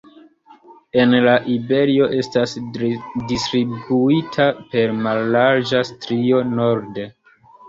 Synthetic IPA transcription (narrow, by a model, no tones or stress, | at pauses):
e̞nlaʔibe̞ɾio̞ʔe̞stasdistɾibuitʰape̞ɾmalːaɾd͡ʒastɾio̞no̞ɾde